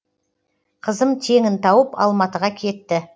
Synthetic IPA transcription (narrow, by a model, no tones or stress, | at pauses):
qʰəzəmt̪ʰe̞ŋɪnt̪ʰɑwəpɑ̰lˠmɑt̪əʁɑkʲʰe̞t̪ːɪ